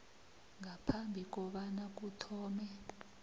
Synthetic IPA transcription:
ŋapʰambʱik̬ʼɔɓanak̬utʰɔːmɛ

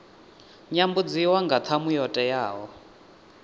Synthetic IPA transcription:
ɲambud͡ziwaŋɡat̪ʰamujɔtʼɛjaːɦɔ

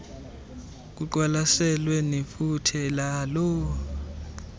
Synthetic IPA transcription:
k̬uǃwalasɛlwenifutʰilalɔ

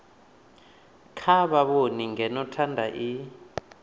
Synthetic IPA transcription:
kʰaɓaɓoniŋɛnɔtʰandʱaʔi

